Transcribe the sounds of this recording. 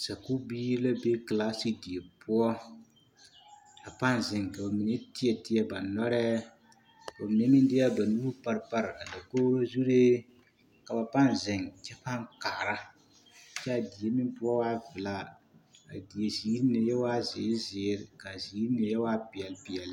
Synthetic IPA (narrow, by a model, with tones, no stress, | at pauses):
sa˨ku˦biː˦ɾla˦be˦kla˦si˦di˨e˨pʰʊ˦ɔ˦ | a˨pa˦nzɪ˨ŋka˨ba˨mi˨ne˦tɪ˦ɛ˨tɪ˦ɛ˦ba˨nɔ˦ɾɛ˦˨ | o˨mi˨ne˦mɪ˦n˦dɪ˦a˦ba˨nu˦u˦pa˦ɾpa˦ɾka˨da˨koː˦ɾo˦zu˦ɾe˦ | ka˨ba˨pa˦n˨zɪ˨ŋt͡ʃɛ˦pa˦ŋkaː˨ɾa˦˨ | t͡ʃɛ˦a˨di˨e˦mɪ˦pʊ˦ɔ˦waː˦vɪ˨la˦a˨di˨e˨ziː˨˦ɾi˦nɪ˨jɛ˦waː˦zɪ˨˦zɪː˨˦ɾɪ˨ka˨ziː˨˦ɾi˦nɪ˨jɛ˦waː˦pɪ˨ɛ˨lpɪ˨ɛ˨l